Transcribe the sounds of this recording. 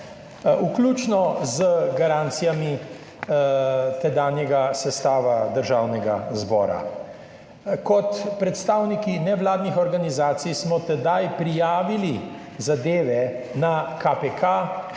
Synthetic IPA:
uklut͡ʃnɔzəɡaɾaːnt̪sijami | t̪ɛd̪aːnjɛɡasɛst̪aːʋad̪əɾʒaːwnɛɡa̰zbɔ̰ːɾa̰ | kɔt̪pɾɛt̪st̪aːwnikinɛʋlaːd̪nixɔɾɡanizaːt̪sijsmɔt̪ɛd̪ajpɾijaːʋili | zad̪eːʋɛ | nakapekʰa

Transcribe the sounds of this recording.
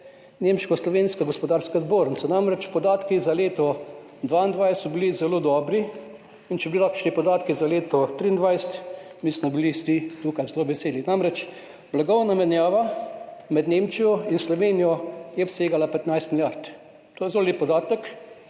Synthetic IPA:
nemʃkɔslɔʋeːnskaɡɔspɔd̪aːɾskazboːɾnsɔnamɾɛt͡ʃpɔd̪aːt̪kizaleːt̪ɔ | d̪ʋaind̪ʋajssɔbilizɛlod̪ɔːbɾi | int͡ʃɛbiliɾakt͡ʃnipɔd̪aːt̪kizaleːt̪ɔt̪ɾiːnd̪ʋajst̪mismɔbilist̪it̪uːkajzɛloːʋɛseːlinamɾɛt͡ʃ | blaɡɔwnamɛnjaːʋamɛd̪neːmt͡ʃijɔinslɔʋeːnijɔjɛpseːɡalapɛt̪najst̪milʲjaɾt̪ | t̪oːjɛzɛloleppːɔd̪aːt̪ək

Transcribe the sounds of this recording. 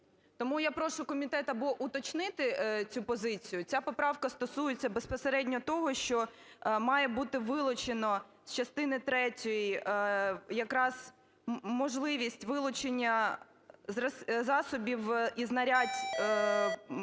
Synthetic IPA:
t̪ɔmujapɾɔʃʊkɔmʲit̪ɛt̪ɐbɔʔut̪ɔt͡ʃnɪt̪ɪt͡sʲupɔzɪt͡sʲijʊt͡sʲapɔpɾɑwkɐst̪ɔsujet͡sʲːɐbespɔseɾɛdʲnʲɔt̪ɔɦɔʃt͡ʃɔ | mɑjɛbut̪ɪʋɪlˠʊt͡ʃenɔst͡ʃɐst̪ɪnɪt̪ɾɛtʲɔji | jɐkɾɑz̥ | mɔʒlˠɪʋʲisʲtʲʋɪlˠʊt͡ʃenʲːɐ | ɐzɑsɔbʲiwiznɐɾʲatʲ

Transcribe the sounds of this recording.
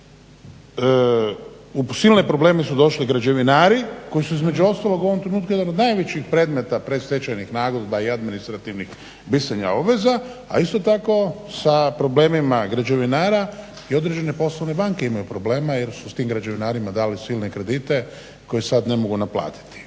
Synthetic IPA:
usilˠnepɾo̞ble̞ːmisud̪o̞ʃliɡɾad͡ʑe̞ʋinaːɾiko̞jisuizme̞d͡ʒuo̞st̪alo̞ɡuo̞ʋo̞mt̪ɾe̞nuːt̪kujd̪anod̪najʋet͡ɕixpɾeːd̪me̞t̪apɾeset͡ʃajnixnaːɡod̪baiad̪minist̪ɾat̪iʋnix | bisaɲa̰o̞bʋe̞za | a̰ist̪o̞t̪ako̞ | sapɾo̞ble̞ːmimaɡɾad͡ʑeʋinaːɾa | io̞d̪ɾed͡ʑe̞ne̞po̞sloʋne̞baŋke̞imajupɾo̞ble̞ːmajeɾsust̪iːmɡɾad͡ʑe̞ʋinaːɾimad̪aːlisilˠne̞kɾe̞d̪it̪e̞ | ko̞jesad̪ne̞moɡunapla̰ːt̪i̥t̪i̥

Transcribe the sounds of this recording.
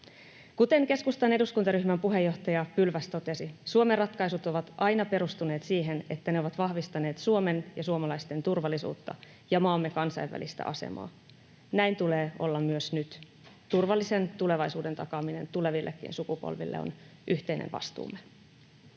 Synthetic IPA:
kut̪e̞ŋke̞skust̪ɑne̞duskunt̪ɑɾyçmæmpuɦe̞jːo̞ht̪ɑjɑpylʋæst̪o̞t̪e̞sisuome̞rːɑt̪kɑjsut̪o̞ʋɑt̪ʔɑjnɑpe̞ɾust̪une̞ːt̪siːɦe̞ne̞t̪ːæne̞o̞ʋɑt̪ʋɑhʋist̪ɑne̞ːt̪suome̞njɑsuomɑlɑjst̪e̞nt̪urʋɑlːˑisṵːt̪ːɑ̰ | jɑmɑːmːe̞kɑnsɑjʋʋæ̰list̪æ̰ʔɑ̰se̞̰mɑ̰ː | næjnt̪uleːo̞̰lːɑmmyøsnyt̪ | t̪urʋɑlːise̞nt̪ule̞ʋɑjsuːde̞nt̪ɑkɑmine̞̰nt̪ule̞ʋilːʔḛkːḭːnsukupo̰lʋḭlːḛo̰n | ʔyçt̪ejnʔḛʋɑ̰st̪ṵːmːe

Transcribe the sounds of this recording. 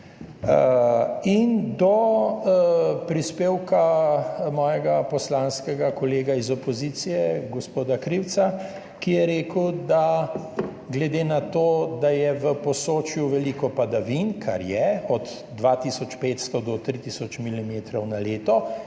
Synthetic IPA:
ind̪ɔ | pɾispeːwkamɔːjɛɡapɔslaːnskɛɡakɔleːɡaizɔpɔzit̪sijɛɡɔspoːd̪akɾiwt̪sa | kijɛɾeːkəwd̪a | ɡlɛd̪eːnat̪oːd̪ajɛʋəpɔsoːt͡ʃjuʋɛliːkɔpad̪aʋinkʰa̰ɾjɛɔd̪ | d̪ʋat̪isɔt͡ʃpeːt̪st̪ɔd̪ɔt̪ɾit̪isɔt͡ʃmilimeːt̪ɾɔwnaleːt̪ɔ

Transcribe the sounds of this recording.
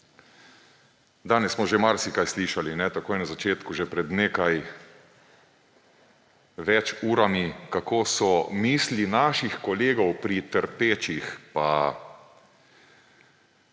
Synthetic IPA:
d̪aːnɛssːmɔʒɛmaɾsikajsliːʃalinɛt̪akoːjɛnazat͡ʃeːt̪kuʒɛpɾɛd̪neːkaj | ʋɛt͡ʃuːɾamikakoːsɔmiːslinaːʃixkɔleːɡɔwpɾit̪əɾpeːt͡ʃixpa

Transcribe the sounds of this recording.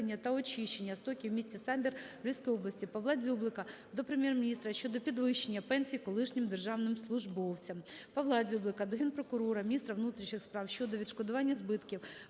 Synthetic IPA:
enʲːɐt̪ɐɔt͡ʃʲiʃt͡ʃe̞nʲːɐst̪ɔkʲiwmʲisʲt͡sʲisɑmʲbʲirʋlʲisʲkɔjɔblˠɐsʲtʲipɐʋlˠɑdʲzʲublˠɪkɐ | d̪ɔpɾemʲjɛrmʲinʲist̪ɾɐʃt͡ʃɔd̪ɔpʲid̪ʋɪʃt͡ʃe̞nʲːɐpɛnʲsʲijikɔlˠɪʃnʲɪmd̪erʒɑwnɪmslˠʊʒbɔwt͡sʲɐmpɐʋlˠɑzʲublˠɪkɐd̪ɔɦʲɛnpɾɔkʊɾɔɾɐmʲnʲist̪ɾɐʋnut̪ɾʲiʃnɪxspɾɑwʃt͡ʃɔd̪ɔʋʲid̪ʃkɔd̪ʊʋɑnʲːɐzbɪt̪kʲiw

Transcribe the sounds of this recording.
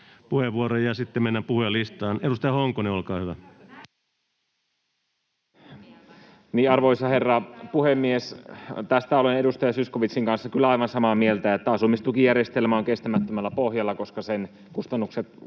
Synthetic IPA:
puheʋːuorojɑsit̪ːemmenːæpuhujɑlist̪ɑːnedust̪ɑjɑhoŋkoneolkɑːhyʋæ | niːɑrʋoisɑherːɑpuhemːiest̪æst̪æolenedust̪ɑjɑsyskoʋit̪siŋkɑnsːɑkylːæɑiʋɑnsɑmɑmielt̪æet̪ːæɑsumːist̪ukijærjest̪elmɑːŋkest̪æmæt̪ːømælːæpohjɑlːɑkoskɑsen | kust̪ɑnːukset̪

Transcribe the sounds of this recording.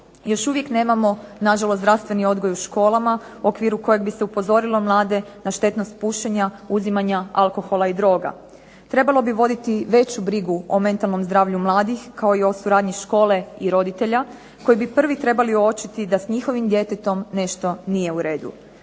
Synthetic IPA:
jo̞ʃuʋje̞kne̞ːmamo̞naʒalosd̪ɾaʋst̪ʋe̞nio̞d̪ɡo̞juʃko̞ːlˠama | uʔokʋiːɾuko̞jeɡ̚bise̞upo̞zo̞ɾilo̞mlˠaːd̪e̞naʃt̪e̞t̪no̞st̪̚puʃeɲa | uzimaɲaalˠko̞xo̞lˠaid̪ɾo̞ːɡa̰ | t̪ɾe̞balˠo̞biʋo̞d̪it̪iʋe̞t͡ɕubɾiɡuome̞nt̪alˠno̞mzd̪ɾaːʋʎumlˠaːd̪ixkao̞io̞suɾaːd̪ɲiʃko̞ːle̞iɾo̞d̪it̪e̞ʎa | ko̞jibipr̩ʋit̪ɾe̞balio̞t͡ʃit̪id̪asɲixo̞ʋimd̪je̞t̪et̪o̞mne̞ʃt̪o̞nije̞uɾe̞ːd̪ṵ

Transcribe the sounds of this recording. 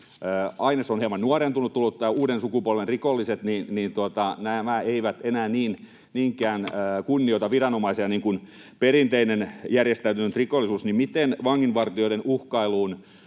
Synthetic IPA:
əːɑinesonhiemɑnnuɑrent̪unut̪t̪ulːut̪ːæːuːɾensukupolʋenrikolːiset̪ninnint̪uot̪ɑnæmæeiʋæt̪enæːniːn | niːŋkˑæːnəːkunːioit̪ɑʋirɑnomɑiseɑniːŋkun | perint̪einenjærjest̪æyt̪ynnt̪rikolːisuːsnimmit̪enʋɑŋːinʋɑrt̪ioidenuhkɑiluːn

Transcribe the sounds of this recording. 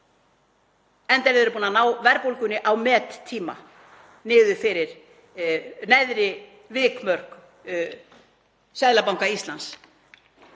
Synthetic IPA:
ɛnt̪ɛɾɪðɛɾpuːnanaːwvɛɾpowlkʏnːɪʔawmɛːt̪ʰːiːma̰ | nɪːðʏfɪɾɪɾ̥ | nɛðɾɪ | vɪːkmœr̥k | sɛðlapawŋkaist̪lans

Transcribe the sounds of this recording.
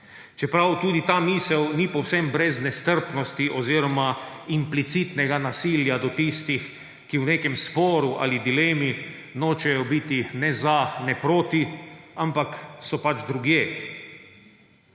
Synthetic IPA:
t͡ʃɛpɾawt̪uːd̪it̪aːmiːsɛwnipɔwsɛmbɾɛznɛst̪əɾpnɔst̪iʔɔziːɾɔmaimplit̪sit̪nɛɡanasiljad̪ɔt̪ist̪ix | kiwneːkɛmspɔːɾuʔa̰lid̪ileːmi | noːt͡ʃɛjɔbit̪inɛzanɛpɾoːt̪iampaksɔpad͡ʒd̪ɾuɡjeː

